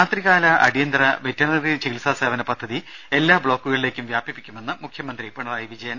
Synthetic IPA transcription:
aːt̪riɣaːlɐʔɐ̰ɽijɐnd̪rɐʋetːɐnɐrit͡ɕeilsaːseːʋɐnɐpɐd̪ʱːɐðie̞lːaːbɭo̞ːkːuɣɐɭile̞ːkʲːumʋjaːbipːikʲːume̞nːɨmukʰjɐmɐnd̪ripɐɳɐraːjiʋid͡ʑɐjɐn

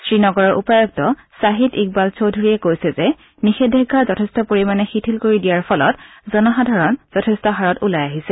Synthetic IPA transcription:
sɹinɔɡɔɹɔɹʔṵpɔɹɔk̚tɔ | saɦitik̚balsowdʱuɹiɛkojsɛzɛ | nixedʱɛɡʱːazɔtʰɛstɔpoɹimanɛxitʰilkoɹidijaɹpʰɔlɔ̰t | zɔnɔɦadʱaɹɔnz̥ɔtʰɛstɔɦaɹɔtulajaɦisɛ

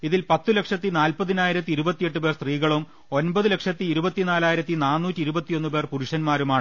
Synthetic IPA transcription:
iðilpɐt̪ːule̞kʂɐt̪ːinaːlpɐðinaːjiɾɐt̪ːiɾubɐt̪ːije̞ʈːupe̞ːrst̪riːɣɐɭum | o̞nbɐðɨle̞kʂɐt̪ːiːɾubɐt̪ːinaːlaːjiɾɐt̪ːinaːnːuːtːiiɾubɐt̪ːijo̞nːupe̞ːrpuɾuʂɐnmaːɾumaːɳ

